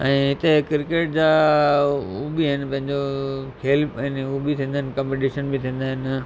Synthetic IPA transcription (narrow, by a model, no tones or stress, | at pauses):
ɛ̃ːɦɪt̪ekɪɾkeːʈ̚d͡ʑaː | ubiɦɪnɪ̆pɐ̃ɦɪ̃ɲd͡ʑokʰeːlpɛnɦubit̪ʰĩːnd̪aːɦɪnɪkɐ̃mpeʈiʃənbit̪ʰĩːn̆d̪aːɦɪnɪ̆